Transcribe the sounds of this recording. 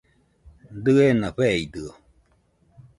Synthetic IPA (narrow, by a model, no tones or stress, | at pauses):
d̪ɯenaɸeid̪ɯo